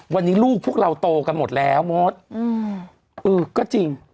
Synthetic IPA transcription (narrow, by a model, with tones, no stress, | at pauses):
wa˧nːiː˦˥luː˥˩k̚ʰu˥˩ək̚ɾa˧wt̪oː˧ka˧nmo˨˩t̪̚lɛː˦˥wmo˦˥t̪̚ː | ʔɤː˧kɔː˥˩t͡ɕi˧ŋ